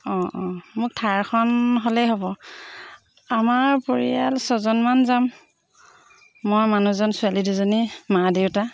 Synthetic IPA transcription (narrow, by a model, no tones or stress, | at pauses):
ɔ̃ʔɔ̃mʊk̚tʰajɹkʰɔnɦolɛjɦobɔ | amaɹpoɹḭalsɔzɔnmanzam | ɔjmanuzɔnsualiduzonimadewta